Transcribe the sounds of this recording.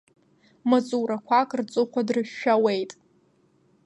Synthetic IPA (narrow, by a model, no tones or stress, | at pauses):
mat͡sʼuɾakʷʰakʼrt͡sʼɨχʷadrɨʃːᶣawejtʼ